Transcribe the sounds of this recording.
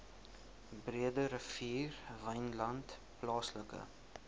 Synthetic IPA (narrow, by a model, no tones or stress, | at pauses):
briədəɾəfiːrvəjnlɐnt | plɑːsləkə̰